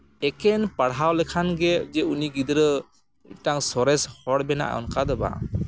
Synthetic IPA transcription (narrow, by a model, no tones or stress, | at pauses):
ɛkɛnpaɽɦawlɛkʰanɡɛd͡ʒɛuniɡid̪ɾə | taŋsɔɾɛshɔɽbɛna̰ʔɔ̰nkad̪ɔba̰